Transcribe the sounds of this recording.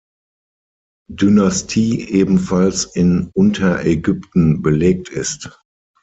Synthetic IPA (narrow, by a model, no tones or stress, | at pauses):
dynastʰiːʔeːbm̩falsɪnʊntʰɐʔɛɡʏptn̩bəleːk̚tʰɪst